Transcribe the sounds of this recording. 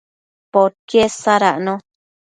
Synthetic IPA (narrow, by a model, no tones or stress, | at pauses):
poɾkjesaɾaʔnõ